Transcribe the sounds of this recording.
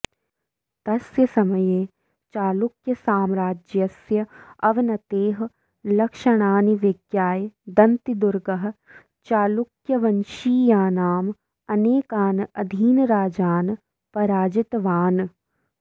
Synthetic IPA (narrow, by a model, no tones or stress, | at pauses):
t̪ɐsjɐsɐməjeː | t͡ʃaːlʊkjɐsaːmɾaːd͡ʒjɐsjɐɐʋɪnɐt̪eːɦ | lɐkʃɐɽ̃aːniʋɪɡjaːjd̪ɐnt̪id̪ʊɾɡɐɦ̆ | t͡ʃaːlʊkjɐʋɐnʃiːjaːnaːm | ɐneːkaːnɐd̪ʱiːnɾaːd͡ʒaːn | pɐɾaːd͡ʒɪt̪ʋaːn